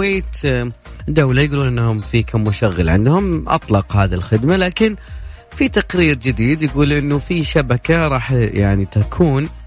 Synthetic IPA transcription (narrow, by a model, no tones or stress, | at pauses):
eːt̪ | d̪awlajɡuːluːnʔɪnːahʊmfiːkamːʊʃaɣːalʕɪ̰nd̪hʊmʔɑ̰t̪ˤlɑqhaːðilxɪd̪malaːkɪn | fit̪aqɾiːɾd͡ʒɪd̪iːd̪jɪɡuːlʔɪnːufiʃabakaɾˤɑːħjaʕnit̪akʰuːn